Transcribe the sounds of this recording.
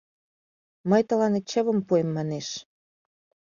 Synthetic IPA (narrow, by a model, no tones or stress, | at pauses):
məjt̪ə̆lɑnet̪̚t͡ɕəβəmpuemːɑneʃ